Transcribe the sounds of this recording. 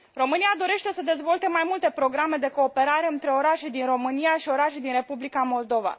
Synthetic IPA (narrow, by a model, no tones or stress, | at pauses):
ro̞mɨnijad̪o̞ɾe̞ʃt̪e̞səd̪e̞zvo̞lt̪e̞majmult̪e̞pɾo̞ɡɾame̞d̪e̞ko̞ːpe̞ɾaɾe̞ɨnt̪ɾe̞o̞ɾaʃed̪inro̞mɨniaʃio̞ɾaʃejd̪inre̞publikamo̞ld̪o̞va̰